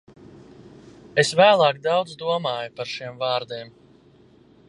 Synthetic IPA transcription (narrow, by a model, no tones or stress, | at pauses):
esvæːlˠɑːkd̪awd̪zd̪uɔmaːjupaɾʃiɛmvɑːɾd̪iɛm